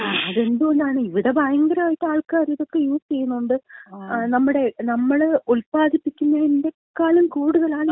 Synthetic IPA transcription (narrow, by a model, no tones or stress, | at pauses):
ɐðe̞nd̪umond̪aːɳɨiʋiɽe̞bɐjɐŋɡɐɾɐaːjʈːɨaːɭkaːɾiðo̞kːe̞juːst͡ɕe̞jːunːuuɳɖɨnɐmːuɽe̞nɐmːɐɭuɭpaːd̪ipːikʲːunːɐinde̞ | kaːlɐmkuːɽuðɐlaːɳɨ